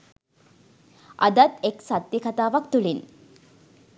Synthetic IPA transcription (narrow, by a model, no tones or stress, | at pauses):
ʔɐ̰d̪ɐt̪eksat̪ːikɐt̪aːʋɐkt̪uɭin